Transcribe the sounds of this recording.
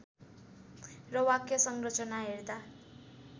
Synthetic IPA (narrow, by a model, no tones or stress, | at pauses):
rʌwakjʌsʌŋɡrʌt͡sʰʌnaɦerd̪a